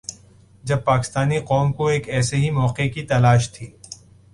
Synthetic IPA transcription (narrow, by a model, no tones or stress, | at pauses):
d͡ʒɐb̚paːkɪ̥st̪aːniqɔːmkoeːkɛːseɦimɔːqekit̪ɐlaːʃt̪ʰiː